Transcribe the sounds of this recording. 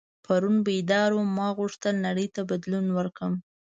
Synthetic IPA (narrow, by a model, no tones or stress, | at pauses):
pʰaɾunbed̪ɑɾwumːɑɣuʂt̪əlnaɽəjt̪abad̪lunwəɾkəm